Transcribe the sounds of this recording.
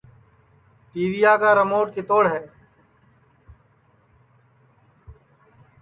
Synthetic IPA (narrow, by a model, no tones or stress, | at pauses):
ʈiːʋijaːkaːɾəmoːʈ̚ket̪oːɽɦɛː